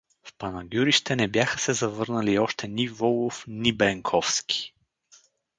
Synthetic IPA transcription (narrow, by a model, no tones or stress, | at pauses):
fpɐnɐɡʲjuɾiʃt̪ɛnɛbjaxəsɛzɐvɤɾnəliɔʃt̪ɛnʲivɔlˠofnibɛŋkʰɔfskʲi̥